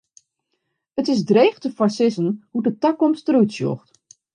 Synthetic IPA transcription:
ətɪsdrejχtəfasɪsənhudətakɔmstərutsjo̰xt

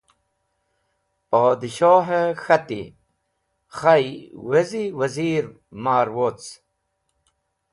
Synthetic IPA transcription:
paːd̪iɕaːɦexɐt̪ḭ | χajweziwɐziːɾ | maːɾwot͡s

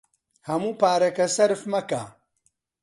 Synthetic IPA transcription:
hɐmuːpaːɾɐkɐsɐɾfmɐka

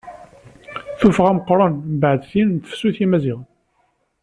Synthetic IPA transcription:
θufʁæməqːɾˤɑnbʕəd̪sint̪ə̥fsuθimæzɪʁ

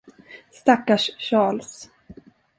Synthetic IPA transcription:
st̪akːaʂɕɑːɭs

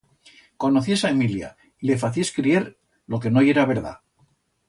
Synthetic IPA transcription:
ko̞noθiesaemilja̰ | ile̞faθieskɾieɾ | lo̞ke̞noje̞ɾaβe̞ɾða̰

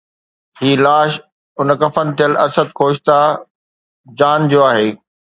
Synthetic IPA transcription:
ɦiːlaːʃ | ʊnkɐfən̆t̪ijəlɐsəd̪̚kʰoːʃt̪a | d͡ʑaːnd͡ʑoːaːɦeː

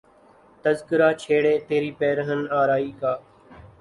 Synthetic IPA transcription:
t̪əzkɪɾaːt͡ʃʰeːɽeːt̪eːɾiːpɛːɾəɦənaːɾaːiːkaː

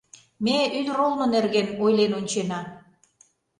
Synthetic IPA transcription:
meynrolmə̆nerɣenojlenonʲt͡ɕenɑ

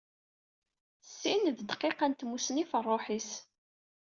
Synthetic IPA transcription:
sːinðd̪qːeqænt̪musnifərˤːoħis

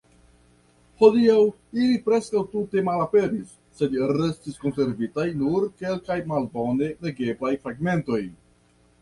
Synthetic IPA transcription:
ho̞diaw | ilipɾe̞skawtute̞malape̞ɾisːe̞dɾe̞stisko̞nse̞ɾvitajnuɾke̞lkajmalbo̞ne̞le̞ɡe̞blajfɾaɡme̞nto̞j

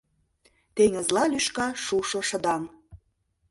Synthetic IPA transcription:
t̪eŋə̆zlɑlyʃkɑʃuʃoʃə̆d̪ɑm

